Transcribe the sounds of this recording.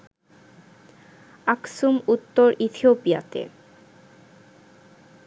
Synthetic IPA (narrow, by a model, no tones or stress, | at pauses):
aksumut̪ːoɾit̪ʰiopia̰t̪ḛ